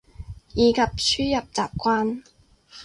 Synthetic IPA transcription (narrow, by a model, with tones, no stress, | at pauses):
jiː˨˧kʰɐ˨p̚sʰyː˥jɐ˨p̚t͡saː˨p̚kʷaː˥n